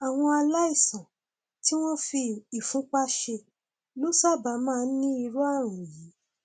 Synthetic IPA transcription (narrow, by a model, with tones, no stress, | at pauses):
a˨w̃ɔ̃˧a˧la˦i˦˨sã˨ | ti˦w̃ɔ̃˦fi˧i˨fũ˨˦k͡pa˦ʃe˧ | lo˦sa˦˨ba˨˦mãː˦˧˦nĩ˦i˧ɾu˦a˦˨ɾ̃ũ˨ji˨˦